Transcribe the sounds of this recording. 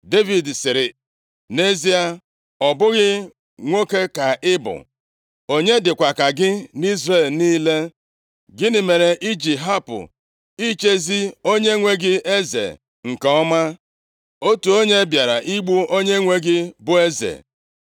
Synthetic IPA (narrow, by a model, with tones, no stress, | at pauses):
de˦vi˨dsɪ˨ɾɪ˨ | ne˦zi˦a˦ | ɔ˨bʊ˦ɣɪ˦ | ŋʷo˦ke˦ka˨ɪ˦bʊ̰˨ | o˦ɲe˦dɪ˨kʷa˨ka˨ɡɪ˦ni˦zre˦˨lniː˦le˦ | ɡɪ˦nɪ˨me˨ɾe˨ʔi˦d͡ʒi˨ɦa˦pʊ̰˨ | i˦t͡ʃe˦zi˦o˦ɲe˦ŋʷe˦ɡɪ˦ʔe˦zḛ˨ | ŋ̩˨ka˨ɔ˦ma˦ | o˦tu˨o˦ɲe˦bja˨ɾa˨ʔi˦ɡ͡bu˦o˦ɲe˦ŋʷe˦ɡɪ˦bʊ˦e˦zḛ˨